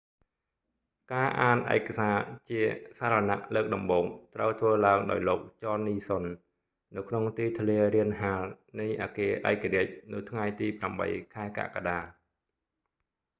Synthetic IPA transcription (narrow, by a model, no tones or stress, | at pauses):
kaːʔaːnʔa̰ɛkasaːt͡ɕiəsaːɾɑna̰ʔləːk̚ɗɑmɓoːŋt̪rəwt̪ʰʋəːlaəŋɗa̰ɔjloːk̚t͡ɕɑːnːiːson | nɨwkʰnoŋt̪iːt̪ʰliəriənɦaːl | nɨjʔaːkeəʔa̰ɛkːaɾiəc̚nɨwt̪ʰŋajt̪iːpramɓə̰jkʰaɛka̰ʔka̰ɗaː